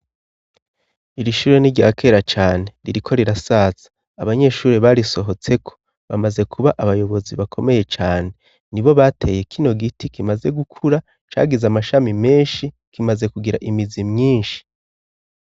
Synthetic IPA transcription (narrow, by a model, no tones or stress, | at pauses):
iɾiʃuːɾeniɾɟaːkʰe̞ːɾat͡ʃaːne̞ɾiɾikʰo̞ɾiɾasaːz̥ḁː | βaɲe̞ʃuːɾeβaɾiso̞ɦo̞t͡se̞kʰo̞̥ | βa̰maze̞kʰuβaʔaβajo̞βo̞ziβakʰo̞me̞je̞t͡ʃaːne̞ | niβo̞βatʰe̞jekʰino̞ɡitikimaze̞ɡukʰuɾa | t͡ʃa̰ːɡizamaʃamime̞ːnʃi | kimaze̞kuɡiɾa̰ʔimizimɲiːnʃi̥